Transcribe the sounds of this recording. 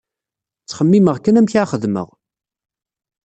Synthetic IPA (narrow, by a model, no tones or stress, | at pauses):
t͡sːχəmːiməʁkænæmçaχəðmə̰ʁ